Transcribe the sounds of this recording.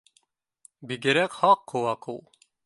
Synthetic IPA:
biɡɘ̆ɾækhɑqːŏwɑqulˠ

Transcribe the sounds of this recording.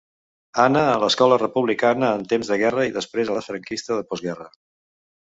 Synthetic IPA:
anəːləskɔlərəpuβlikanəːnt̪emzðəɣɛrəiðəspɾezələfɾəŋkist̪əðəpɔzɣɛrə

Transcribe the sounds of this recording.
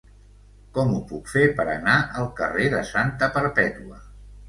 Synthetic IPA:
kɔmupukfepəɾə̰naʔəlˠkəreðəsant̪əpəɾpɛt̪uə

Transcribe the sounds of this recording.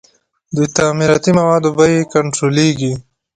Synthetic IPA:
d̪ujt̪amiɾɑːt̪imɐwɑːd̪obajekaɳʈɾoːleːɡi

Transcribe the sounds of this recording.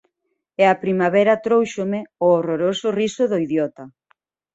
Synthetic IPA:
eɐpɾimaβɛɾɐt̪ɾowʃʊmɪʊoroɾosʊrisʊðoiðjɔt̪ɐ

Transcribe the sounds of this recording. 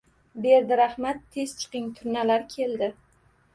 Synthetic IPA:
be̞ɾd̪ɪɾahmat̪ʰːe̞z̥t͡ʃʰɨ̥qɪŋt̪ʰʊɾnalaɾkʲʰe̞ld̪ɪ

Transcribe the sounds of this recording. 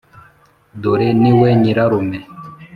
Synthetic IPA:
doɾeniwɛɲĩɾaɾomɛ̃

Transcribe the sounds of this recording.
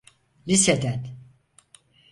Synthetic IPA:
lʲised̪æt̪

